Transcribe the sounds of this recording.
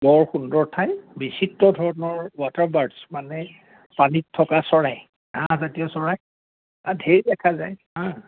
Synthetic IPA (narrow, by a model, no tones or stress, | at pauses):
bɔɹxundɔɹtʰajbisitɹɔdʱɔɹnɔɹwataɹbaɹdsmanɛ | panitʰːɔkasɔɹaj | ãzatiɔsɔɹaj | ãdʱeɹidɛkʰazajɦã